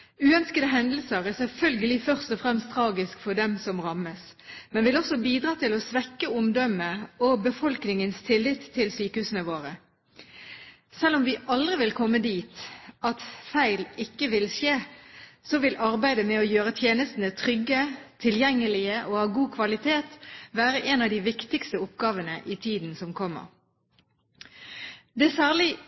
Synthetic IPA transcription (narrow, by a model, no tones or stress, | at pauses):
ʉːœnskəd̪əɦɛnd̪l̩səʁæsɛlfœlɡəlɪfœʁst̪ɔfʁɛmst̪ʰʁɑːɡɪskfɔd̪ɛmsɔmʁɑməs | mɛnʋɪlɔsɔbiːd̪ʁɑːt̪ʰɪlɔsʋɛkːəʊmd̪ɔmːəɔbəfɔlknɪŋənst̪ʰɪlːɪt̪ʰːɪlsyːkəhʉːsənəʋoːʁə | sɛlːɔmʋɪʔɑld̪ʁɪʋɪlkʰɔmːəd̪iːt̪ɑt̪fæɪlɪkːəʋɪlseːsɔʋɪlʔɑʁbæɪd̪əmɛɔjøːʁət̪ʰjeːnəst̪ən̩ət̪ʰʁʏɡːət̪ʰɪljɛŋːəlɪəʔoːhɑːɡuːkʰʋɑlɪt̪ʰeːt̪ʋæːʁəʔeːnɑʋd̪iːʋɪkt̪ɪkst̪əʊp̚ɡɑːʋənəʔɪt̪ʰiːd̪n̩sɔmkʰɔmːə̰ʁ | d̪ɛsæːʁlɪ